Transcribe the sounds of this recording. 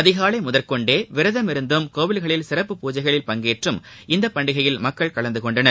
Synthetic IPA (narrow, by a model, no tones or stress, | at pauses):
ɐðɪɣaːɭɐɪmʊðɐɾkɔɳɖeːʋɪɾɐðɐmɪɾɯnd̪ɯmkoːʋɪlɣɐɭɪlsɪɾɐpːɯpuːd͡ʒɐɪɣɐɭɪlpɐŋɡeːʈrɯmʔɪnd̪ɐpːɐɳɖɪɣɐjɪlmɐkːɐɭkɐɭɐnd̪ɯkɔɳɖɐnɐ